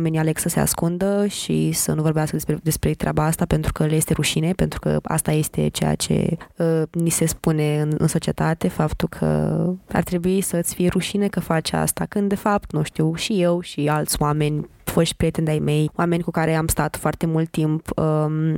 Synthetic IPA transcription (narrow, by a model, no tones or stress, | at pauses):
me̞nʲiale̞ksəse̞a̰skund̪əʃḭsənuvo̞ɾbeaskəd̪eed̪e̞spɾet̪ɾʲʔa̰baast̪apent̪ɾukəljest̪eɾuʃine̞pent̪ɾukə̰a̰st̪aje̞st̪e̞̰t͡ʃḛja̰t͡ʃe̞̰ənise̞spune̞ɨnɨ̰nso̞t͡ʃie̞t̪at̪e̞fapt̪ulkʰə̰a̰rt̪ɾe̞buisəɨt̪sʲfije̞ɾuʃinekəfat͡ʃa̰st̪akɨnd̪e̞fap̚t̪nuʃt̪iwʃije̞wʃialt̪sʲwame̞nʲ | foʃt̪̚ʲpɾijet̪end̪ajme̞jwame̞nʲkukaɾe̞amst̪at̪foart̪e̞mult̪ːimpə